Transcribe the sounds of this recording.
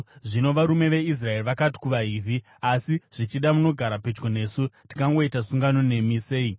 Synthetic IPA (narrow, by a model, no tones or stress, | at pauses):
ʐino̞ʋaɾume̞ʋe̞is̬rae̞riʋakati̥kuʋaɦiːvʱi | asiʐ̥it͡ʃiɗamuno̞ɡʱaɾapet͡ʃɡo̞ne̞ːsuti̥kaŋɡo̞itasuŋɡano̞ne̞misei